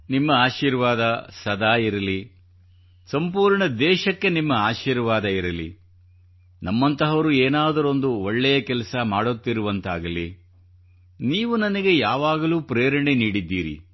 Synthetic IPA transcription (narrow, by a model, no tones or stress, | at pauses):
nimːɐaːʃiːɾʋaːd̪ɐsɐd̪aːiɾɐli | sɐmpuːɾɳɐd̪ɛːʃɐkːe̞nimːɐaːʃiːɾʋaːd̪ɐiɾɐlḭ | nɐmːɐnt̪ɐɦɐʋɐɾueːnaːd̪ɐɾo̞nd̪uoɭːɛjɐkɛlɐsɐmaːɽot̪ːiɾuʋɐnt̪aːɡɐli | niːʋunɐnɐɡe̞jaːʋaːɡɐluːpɾeːɾɐɳeniːɽid̪ːiːɾḭ